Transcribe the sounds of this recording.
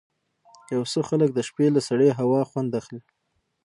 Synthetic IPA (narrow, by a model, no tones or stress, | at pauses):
jawsəxalək̚d̪əʃpelasaɽeɦawɑxwand̪axli